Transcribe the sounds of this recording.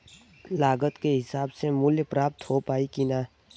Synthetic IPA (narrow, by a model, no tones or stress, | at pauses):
laːɡət̪keɦɪsaːbsemʊljpɾaːp̚t̪ɦopaːikina